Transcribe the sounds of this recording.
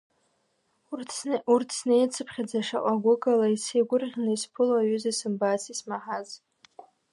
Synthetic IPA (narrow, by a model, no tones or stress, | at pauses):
urtʰsnejt͡sʰɨpʰχʲad͡zaʂaʔʷʼaɡʷʊɡalaiseɡʷʊrʁʲnɨispʰʊlaɥyzasɨmbasismaħaz